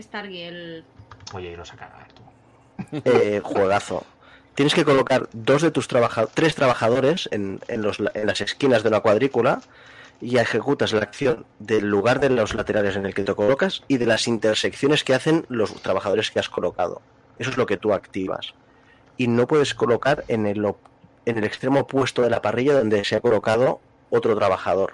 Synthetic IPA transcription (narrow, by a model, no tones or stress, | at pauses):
est̪aɾɣjel | ojeinosakaɾa̰a̰t̪u | exwe̞ɣ̞aθo̰ | t̪jeneske̞ko̞lokaɾd̪o̞zðe̞t̪ust̪ɾaβaxat̪ɾe̞st̪ɾaβaxað̞o̞ɾe̞senḛnlozlenlase̞skinazðe̞unakwað̞ɾikula | iexe̞kut̪azlak̚θjo̞nd̪e̞lːuɣ̞aɾðe̞lo̞zlat̪e̞ɾale̞s̬ene̞lke̞t̪eko̞lokasiðe̞lasint̪eɾsekθjo̞ne̞skeaθe̞nlo̞st̪ɾaβaxað̞o̞ɾe̞skeasko̞lo̞ka̰ð̞o̞̰ | esoezlo̞ke̞t̪uakt̪iβa̰s | ino̞pwe̞ð̞e̞sko̞lo̞kaɾenelo | ene̞lekst̪ɾe̞mopwe̞st̪oðe̞lapariʎaðo̞nd̪e̞seako̞lo̞kað̞o̞ | ot̪ɾot̪ɾaβaxað̞o̞ɾ